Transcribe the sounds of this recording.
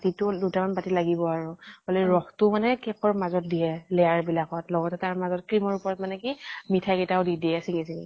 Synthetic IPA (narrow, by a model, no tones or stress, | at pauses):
titʊdutamanpatilaɡibɔaɹuhɔlɛɹɔxtʊmanɛkɛkʰɔɹmazɔt̚dijɛlɛjaɹbilakɔtlɔɡɔtɛtaɹmazɔt̚kɹimɔɹupɔɹɔtmanɛkimitʰakɛtaʊdidiɛsiŋisiŋḭ